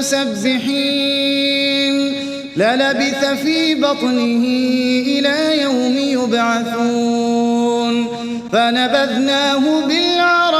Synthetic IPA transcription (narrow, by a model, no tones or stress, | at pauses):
sabːɪħi | n | lalabɪθafiːbɑt̪ˤnɪhɪʔɪlaːjawmɪjʊbʕaθuː | n | fanabad̪naːɦʊbɪlʕɑɾˤ